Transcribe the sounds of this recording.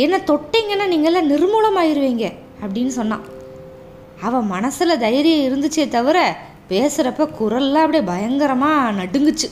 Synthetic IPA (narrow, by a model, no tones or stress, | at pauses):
ɛnːɐt̪ɔʈːeːŋɡɐnːaːniːŋɡɐɛlːãːnɪɾɯmuːlɐmaːjɪɾɯʋeːŋɡɐ | ɐpːɐɽɪnːɯsɔnːã̰ː | ɐʋɐ̃ːmɐnɐsɪlɐd̪ɐjɐɾɪjɐɪɾɯnd̪ɯt͡ʃːɪjɐt̪ɐʋɐɾɛ | peːsɯɾɐpːɐkʊɾɐlːãːɐp̬ːɐɽibɐjɐŋɡɐɾɐmaːnɐɽɯŋɡɯt͡ʃːɯ